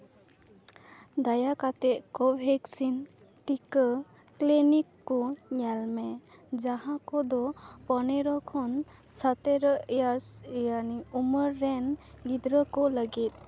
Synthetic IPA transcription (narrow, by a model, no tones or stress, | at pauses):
d̪ajakat̪ɛʔkɔbʱɛksin | ʈikə | klinikːɔɲalmɛd͡ʒaɦãkɔd̪ɔpɔneɾɔkʰɔnsat̪eɾɔjaɾsjaniuməɾːɛnlid̪ɾəkɔləɡit̪̚